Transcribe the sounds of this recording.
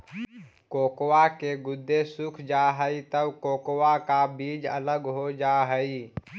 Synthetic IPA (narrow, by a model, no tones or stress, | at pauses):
koːkwakeɡʊd̪ʱːesʊkʰd͡ʒaːɦəit̪əʋkoːkwakabiːd͡ʒə̰ləɡɦod͡ʒaːɦəiː